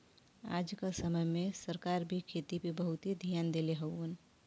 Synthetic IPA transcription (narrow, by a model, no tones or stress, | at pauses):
a̰ːd͡ʒkasəməjmẽsəɾkaɾbʱikʰet̪ipebəɦʊt̪ɦid̪ʱjaːnd̪eleɦəwən